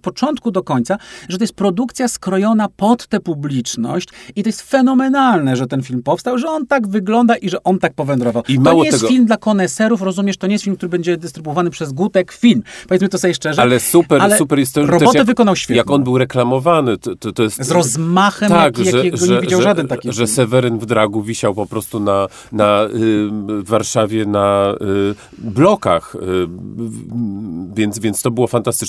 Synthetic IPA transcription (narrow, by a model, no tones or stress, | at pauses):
pɔt͡ʂɔnt̪̚kud̪ɔkɔɲt̪saʐɛt̪ɔjɛst̪̚pɾɔd̪ukt̪sʲjaskɾɔjɔnapɔt̪ːɛpublʲit͡ʂnɔ̰ɕt͡ɕit̪ɔjɛst̪fɛnɔmɛnalnɛʐɛt̪ɛnfʲilmpɔfst̪awʐɛɔnt̪aɡvɘɡlɔnd̪aʔiʐɛʔɔnt̪ak̚pɔvɛnd̪ɾɔvawimaɔwɲɔejsɛɡfilmd̪lakɔnɛsɛɾufɾɔzumʲɛʂt̪ɔɲejst̪filmkt̪uɾɘbɛɲd͡ʑɛd̪ɨst̪ɾɘbuɔvanɘpʂɛzɡut̪ɛkfʲilmpɔvet̪smɨt̪ɔsɔjʲɛʂt͡ʂɛʐɛalɛsupɛɾalsupɛɾjɛst̪ːɛɾɔb̪ɛɔtjaɛvɨkɔnawɕfʲɛjak̪ɔnbɘwɾɛklamɔvanɘt̪t̪ɔt̪ɔjɛst̪zɾɔzmaxɛmt̪aakjaʐɛɛʐɡɔɲɛeid͡ʑawʐad̪ɛnt̪akʲiʐɛsɛvɛɾɘnvd̪ɾaɡuvʲiɕawpɔpɾɔst̪una | na | vːaɾʂavʲjɛna | blɔkax | vʲjɛnt̪svʲjɛnt̪st̪ɔbɘwɔfant̪ast̪ɘ̥